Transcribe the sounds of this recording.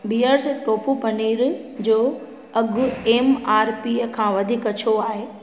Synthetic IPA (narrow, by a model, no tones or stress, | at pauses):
biːəɾsʈoːpʰupɐniːɾd͡ʑoː | ɐɡʱʊeːmaːɾpikʰãːʋɐd̪ʱiːkɐt͡ɕʰoaːɦeː